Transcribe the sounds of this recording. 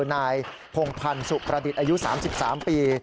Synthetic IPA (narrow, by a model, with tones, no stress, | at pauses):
naː˧j | pʰo˧ŋpʰa˧nsu˨˩pɾa˧di˨˩t̪̚ʔaː˧ju˦˥sa̰ː˩˦msi˨˩p̚saː˩˦mpiː˧